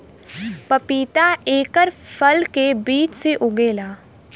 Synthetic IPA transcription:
pɐpiːt̪aeːkəɾpʰəlkebiːt͡ʃseʔʊɡeːlaː

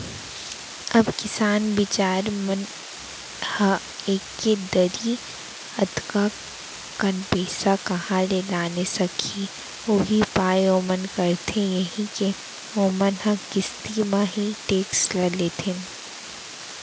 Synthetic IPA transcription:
ɐbkɪsaːnbɪt͡ʃaːɾmən | hə | eːkːed̪əɾi | ɐt̪ka | kənpeːsakɐɦãlelaːnesɐkʰi | oːbʱipaːeoːmənkəɾt̪ʰẽjɐɦĩke | oːmənɦə̃kɪst̪imãɦiʈeːkslɐlet̪ʰẽn

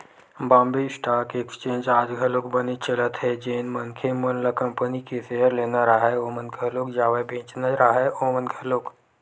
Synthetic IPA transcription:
bãːmbesʈaːkekst͡ʃẽːɲd͡ʒaːd͡ʒɡʱəloːkbənit͡ʃələt̪ɦɛd͡ʒeːnmənkʰemənləkəmpənikeseɦəɾleːnaɾaɦajomənkʰəloːkd͡ʒaːʋəjbẽːt͡ʃnəɾaɦaomənkʰəloːk

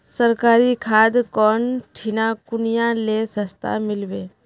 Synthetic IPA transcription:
səɾkaːɾikʰaːd̪kɔːnʈʰinakʊnijãlesəst̪ʰa̰mɪlʋeː

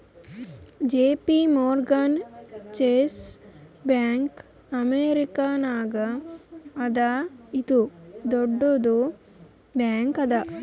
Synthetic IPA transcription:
d͡ʒeːpimoɾɡɐnt͡ʃesbaːŋk | ɐmeːɾikanaːɡa | ɐd̪ait̪ud̪oɖːod̪o | baːŋkɐd̪a

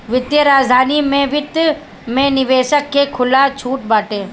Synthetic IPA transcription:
ʋɪd̪jəɾaːd͡ʒd̪ʱaːnimẽʋɪt̪j | mẽnɪʋeːʃəkːekʰʊlat͡ʃʰuːʈbaːʈẽː

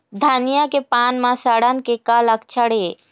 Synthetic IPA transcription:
d̪ʱaːnijakepaːnmãsəɽənkekaləkt͡ʃʰəɽeː

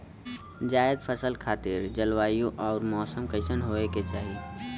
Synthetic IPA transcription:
d͡ʒaːɪd̪pʰəsəlkʰaːt̪ɪɾd͡ʒəlwaːjũʔɔːɾmɔːsəmkəɪsənɦoːeket͡ʃaːɦi

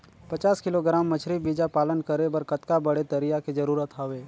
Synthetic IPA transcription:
pɐt͡ʃaːskɪloɡɾaːmːət͡ʃʰɾibiːd͡ʒapaːlənkəɾebəɾkət̪kabəɽet̪əɾɪjakid͡ʒɐɾuːɾət̪ɦaʋeː

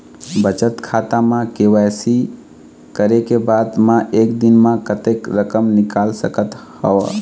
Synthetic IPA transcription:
bət͡ʃət̪kʰat̪amãkewajsi | kəɾekebad̪mãʔek̚d̪inmãkət̪ekɾəkəmnikalsəkət̪həw

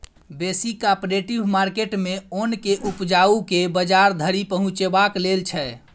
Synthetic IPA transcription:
besikapɾeʈibmaɾkeʈmeonkeʔupd͡ʒaukebəd͡ʒaɾd̪ʱəɾipəɦũt͡ʃebaklelt͡ʃʰɛ

